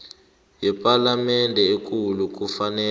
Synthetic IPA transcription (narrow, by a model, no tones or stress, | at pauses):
jɛpʼalamɛndʱɛek̬ʼuluk̬ufanɛː